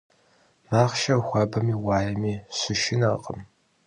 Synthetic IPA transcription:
maːχʃɐxʷɑbɐmiːwaːjɐmiːɕʷʊʃɪnɐqʼə̰m

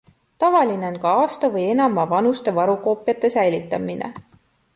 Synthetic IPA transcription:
t̪ɑvɑline̞o̞nkɑɑːst̪ɑvɤje̞nɑmɑvɑnust̪e̞vɑɾuko̞ːpˑjɑt̪ːˑe̞sæjlit̪ːˑɑminʔḛ

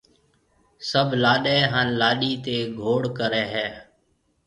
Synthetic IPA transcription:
səbʱlaːɗɛːɦənlaːɗiːt̪eːɡʱoːɽkəɾɛːɦɛː

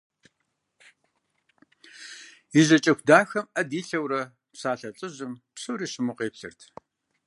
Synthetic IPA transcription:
ɪʑɐt͡ʃʼɐxʷdaːxɐmɐdiːɬɐwɾɐ | psaːɬɐɬʼɨʑɪmpsɨwɾiːɕɪmʊqʼeːpɬɨ̰rtʰ

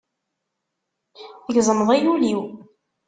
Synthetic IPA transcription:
θəʝzˤəmðˤæjuliw

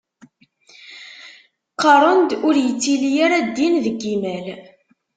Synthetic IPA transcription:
qəɾˤənd̪ʊɾjət͡sːilijaɾad̪ːinðəɡːimæl

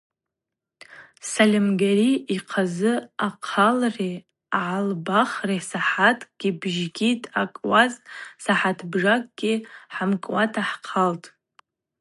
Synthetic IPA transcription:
salʲemɡʲariiqʰazɨaqʰalre | aʕalbaχresaħatʰʼɡ̥ʲibʒɡʲitʼakʼwazsaħatʰbʐakʼɡ̥ʲɪħamkʼwatʰaħqʰaltʼ

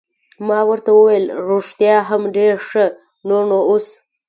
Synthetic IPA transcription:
mɑwəɾt̪awəwajlɾoʂt̪jɑɦamɖeɾʂə | nonoos

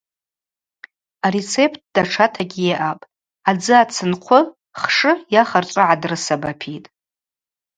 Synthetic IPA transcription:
aɾet͡sʰe̞pʰt̚ʰd̥aʈ͡ʂʰatʰaɡʲijeʔapʼ | ad͡zɨat͡sʰɨnqʷʰʊ | χʂɨjaχart͡ʃʷʼʊʕadrɨsabapʰitʼ

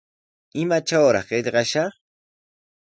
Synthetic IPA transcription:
ɪmat͡ʃawɾɑ̰χɢeʎɢɑʃɑχ

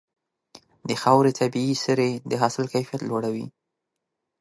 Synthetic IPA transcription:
d̪əxawɾet̪ʰabiisəɾed̪əɦɑsɪlkajfijat̪loɽawḭ

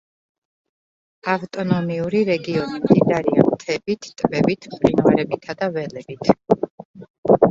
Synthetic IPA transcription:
aft̪ʼɔnɔmiuɾiɾɛɡiɔnimd̪id̪aɾia̰mt̪ʰɛbit̪ʰt̪ʼvɛbit̪ʰpʼɾinvaɾɛbit̪ʰad̪avɛlɛb̥it̪ʰ

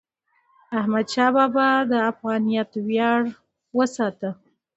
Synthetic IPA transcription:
ahmad̪ʃɑbɑbad̪əafɣɑnijɑt̪wjɑɽ | wəsɑt̪ə

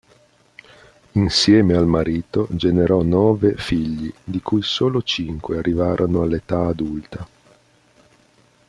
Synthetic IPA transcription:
insjɛːmealmaɾiːt̪od͡ʒeneɾɔnɔːvefiʎːid̪ikujsoːlot͡ʃiŋkwearːivaːɾʔonoalːet̪aːd̪ult̪a

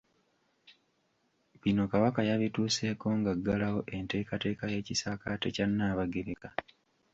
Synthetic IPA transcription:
βino̞kaβakajaβituːse̞ːko̞ŋɡaɡːalawo̞ʔe̞nte̞ːkate̞ːkaje̞ːcisakatecanːaːβaɡeɾeka

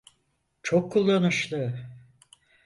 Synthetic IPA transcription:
t͡ʃʰokʰːulˠːanuʃlˠɯ

